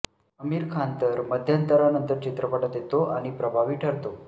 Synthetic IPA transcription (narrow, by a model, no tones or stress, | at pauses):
əmiːɾkʰant̪əɾməd̪ʱjant̪əɾanənt̪əɾt͡ɕit̪ɾəpəʈət̪jet̪oʔaɽ̃ipɾəbʱaʋiːʈʰəɽt̪o